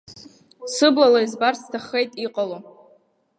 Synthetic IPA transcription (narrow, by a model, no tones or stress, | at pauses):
sɨblalaizbarstʰaχejtʼiqʼalo